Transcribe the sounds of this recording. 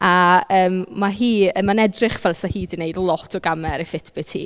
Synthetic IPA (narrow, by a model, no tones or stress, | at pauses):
aəːmːaɦiːəmanɛdrɪχvɛlˠsahiːdineɨdlˠɔtʰɔɡamɛɾifɪtʰb̥ɪtʰḭː